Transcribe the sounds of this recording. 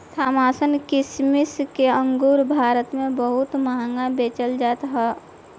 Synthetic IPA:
t̪ʰaːmaːsənkɪsmɪskeə̃ŋɡuːɾbʱaːɾət̪mẽbəɦʊt̪məɦãŋɡabeːt͡ʃəld͡ʒaːt̪ɦɛː

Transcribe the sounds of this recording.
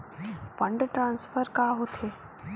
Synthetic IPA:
pə̃ɳɖʈɾãːnsfʰəɾkaːɦot̪ʰeː

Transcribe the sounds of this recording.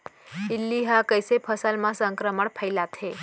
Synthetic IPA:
ilːiɦakəjsepʰəsalmãsəŋkɾəməɳpʰəjlat̪ʰe

